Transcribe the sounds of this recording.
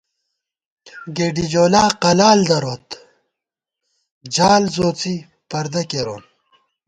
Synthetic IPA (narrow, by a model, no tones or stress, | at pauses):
ɡeːɖid͡ʑoːlaːqɐlaːld̪ɐɾoːt̪ | d͡ʑaːlzoːt͡si | pɐɾd̪ɐkeɾoːn